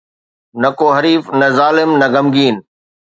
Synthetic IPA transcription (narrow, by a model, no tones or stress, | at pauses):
nɐkoːɦɐɾiːfnɐzaːlɪmnɐɡɐmɡiːn